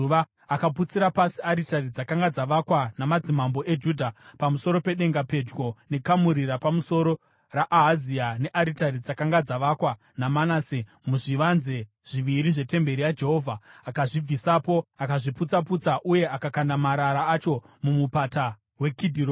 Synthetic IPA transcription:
ʋa | akap̬ut͡siɾapasiaɾitarid͡zakaŋɡad͡zaʋakwanamad͡zimambo̞ʔe̞d͡ʒuːdʱapamuso̞ɾo̞pe̞ɗe̞ŋɡape̞d͡ʒɡo̞ne̞kamuɾiɾapamuso̞ɾo̞ | raʔaɦaziane̞ʔaɾitarid͡zakaŋɡad͡zaʋakwa | namanaːse | muʐiʋanze | ʐ̥iʋiɾiʐe̞te̞mbe̞ɾijad͡ʒe̞ɦo̞ːvʱaːkaʐib͡visapo̞akaʐiput͡saput͡saʔuje̞ʔakakandamaɾaɾaːt͡ʃo̞ | mumupata | we̞kidʱiːɾo

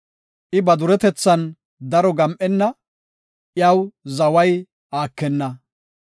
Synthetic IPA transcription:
ʔɪbɐd̪ʊɾɛt̪ɛt͡sːɐn | d̪ɐɾɔɡɐmʔɛnːɐ | ʔjɐwzɐwɐj | aːkːɛnːɐ

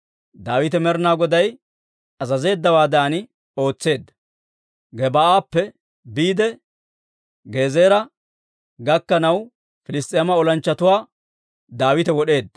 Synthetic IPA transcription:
d̪aːwɪt̪ɛmɛɾnaːɡɔd̪ɐj | ɐzɐze̞ːd̪ːɐwaːd̪aːnɪ | o̞ːt͡sːe̞ːd̪ːɐ̥ | ɡɛbaaːpːɛ | biːd̪ɛ | ɡeːzeːɾɐ | ɡɐkːɐnɐw | fɪlɪst̪ʼɪjɐmɐɔlɐnt͡ʃːɐt̪ʊwaː | d̪aːwɪt̪ɛwɔɗe̞ːd̪ːɐ

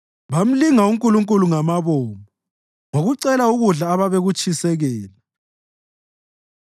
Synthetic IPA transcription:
βam̩liŋauŋkʼuluŋkʼuluŋamaβoːmɔ | ŋoɣuǀɛlauɣuɮaːβaβeɣut͡ʃʼisɛɣɛːla

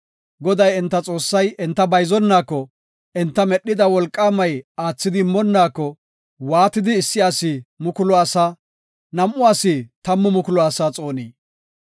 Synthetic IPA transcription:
ɡɔd̪ɐjɪnt̪ːɐt͡sʼo̞ːsːɐjɛnt̪ːɐbɐjzɔnːaːkːɔ | ʔɛnt̪ːɐmɛɗːɪd̪ɐwɔlkʼːaːmɐjaːt͡sːɪd̪ɪmːɔnːaːkːɔ | waːt̪ɪd̪ɪːsːɪaːsɪmʊkʊlɔasaː | nɐmʔʊaːsɪt̪ɐmːʊmʊkʊlɔasaːt͡sʼo̞ːniː

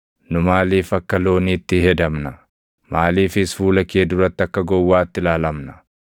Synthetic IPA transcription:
nʊmaːliːfɐkːɐlo̞ːniːt̪ːɪhɛd̪ɐmnɐ | maːliːfɪsfuːlɐkeːd̪ʊɾɐt̪ːɐkːɐɡɔwːaːɪt̪ːɪlaːlɐmnɐ

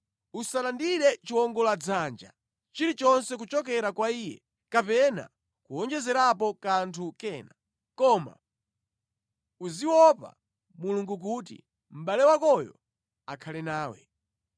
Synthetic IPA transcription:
usalandiɾɛt͡ʃiwɔŋɡɔlad͡zand͡ʒa̰ | t͡ʃiɾit͡ʃɔnsɛk̬ut͡ʃɔkɛɾakwaiːjɛ̰ | kapɛna̰ | kuɔnd͡ʒɛzɛɾapɔkantʰukɛːna | kɔma̰ | uziwɔpa̰ | muluŋɡuk̬ut̬ḭ | m̩ɓalɛwakɔjɔ̰ | akʰalɛnaːwɛ̰

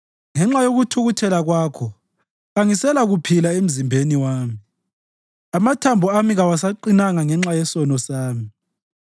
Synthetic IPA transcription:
ŋɛŋ͡ǁajoɣutʰuɣutʰɛlaɣwaːkʰɔ | ɣaŋisɛlaɣupʰilaem̩zimbʱeniwaːmi | amatʰambʱɔamiɣawasaǃinaŋaŋɛŋ͡ǁajɛsɔnɔsaːmi

